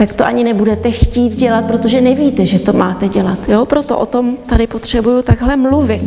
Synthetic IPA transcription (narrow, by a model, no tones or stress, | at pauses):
t̪akt̪oʔaɲɪnɛbudɛt̪ɛxciːt̪ɟɛlat̪̚pɾot̪o̞ʒɛnɛviːt̪ɛʒɛt̪o̞maːt̪ɛɟɛlat̪joːpɾo̞t̪o̞̰ʔot̪o̞mt̪adɪpot̪r̥ɛbujut̪aɡɦlɛmluvɪt̪